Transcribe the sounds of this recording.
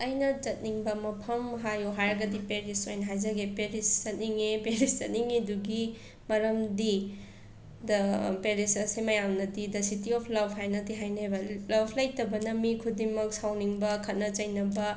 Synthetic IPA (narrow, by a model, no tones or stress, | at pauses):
ɐjnɐt͡ʃɐt̚niŋbɐmɐpʰɐmɦajoɦaɾɐɡɐdipeɾisojnɦajzɐɡepeɾiszɐt̚niŋepeɾiszɐt̚niŋeduɡi | mɐɾɐmdi | dɐpeɾisɐsemɐjamnɐdidɐsitiɔpʰlɐbʱʰhajnɐltiɦajnebɐlɐbʰlajtɐbɐnɐmikʰudiŋmɐk̚sawniŋbɐkʰɐt̚nɐt͡ʃɐjnɐbɐ